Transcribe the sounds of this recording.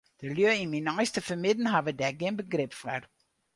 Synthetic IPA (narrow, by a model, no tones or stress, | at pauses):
d̥əlyəinminɔjstəfəmɪdn̩ɦavədɛɡiənbəɡrɪpfər